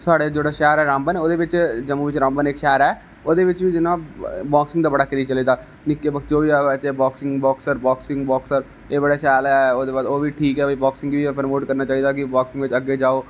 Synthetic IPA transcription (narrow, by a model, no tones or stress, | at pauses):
saːɽeːd͡ʒeːɽaːʃɛːɾɛːɾãːmbənoːd̪eːʋɪt͡ʃd͡ʒəmuːʋɪt͡ʃɾãːmbənekʃɛːɾɛː | oːd̪eːʋɪt͡ʃʋiːd͡ʒɪnãːbaːksɪŋɡd̪aːbəɽaːkɪɾiːt͡ʃəliːd̪aː | nɪkːeːbəkt͡ʃoːʋiːaːɛt͡ʃeːbaːksɪŋɡbɔːksəɾbaːksɪ̃ŋɡbɔːksəɾ | eːbəɽaːʃɛːlɛːoːd̪eːbaːd̪oːʋiːʈʰiːkɦɛːbːbaːksɪ̃ŋɡʋiːpəɾmoːʈkəɾnaːt͡ʃaːiːd̪aːk̬ɪbaːksɪ̃ŋɡʋɪt͡ʃəɡːeːd͡ʒaːoː